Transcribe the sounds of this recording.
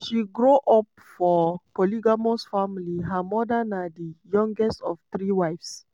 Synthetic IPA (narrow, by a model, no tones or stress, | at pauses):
ʃiɡɹoʔɔp | fɔpoliɡamosfamiliɦəmɔdənadijɔ̃ŋɡɛstɔftɹiwaɪfs